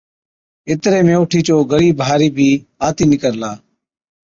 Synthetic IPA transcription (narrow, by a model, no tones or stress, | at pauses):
ɪt̪ɾeːmẽːʊʈʰiːt͡ʃoːɡəɾiːbʱaːɾiːbʱiːaːt̪iːnɪkəɾlaː